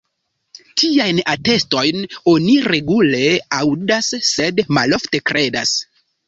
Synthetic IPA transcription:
tʰiajnate̞sto̞jno̞niɾe̞ɡule̞awdasːe̞dma̰lo̞fte̞kɾe̞da̰s

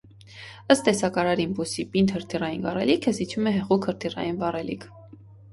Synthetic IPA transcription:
əst̪ːɛsɑkɑɾɑɾimbusipint̪həɾt̪ʰirɑjinɡɑrɛ̰likʰəzit͡ʃʰumɛɦɛʁukʰhəɾt̪ʰirɑ̰jinvɑrɛlḭkʰ

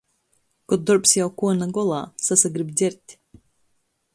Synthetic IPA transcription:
kɔd̪ɔɾpsjawkuɔnaɡɔlˠa̰ːsasaɡɾibd̪zʲɛɾt̪ʲ

